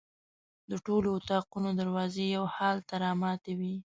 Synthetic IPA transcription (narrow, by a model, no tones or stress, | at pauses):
d̪əʈoloʊt̪ɑqunod̪aɾwɑzejawhɑlt̪aɾɑmɑt̪awi